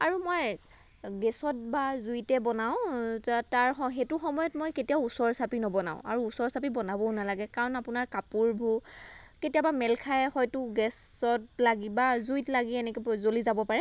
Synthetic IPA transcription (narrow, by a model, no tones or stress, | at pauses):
aɹumɔj | ɡɛsɔt̚bazuitɛbɔnaʊ̃taɹxɔxetuxɔmɔjɔtmojketijaʊusɔɹsapinɔbɔna̰ʊ̃a̰ɹuːsɔɹsap̬ibɔnabɔnalaɡɛkaɹɔnapʊnaɹkapuɹbʱu | ketijabamɛlkʰajɛxɔjtʊɡɛsɔtlaɡibazujtlaɡiɛnɛkɔzolizabɔpaɹɛ